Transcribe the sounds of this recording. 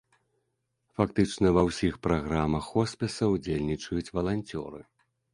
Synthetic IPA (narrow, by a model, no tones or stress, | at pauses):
fakt̪ɨt͡ʂnɐvɐwsʲixpɾaɣɾamɐxɔspʲɛsɐwd͡zʲelʲnʲit͡ʂɐjut͡sʲvɐlˠanʲt͡sʲɔ̰ɾɨ̰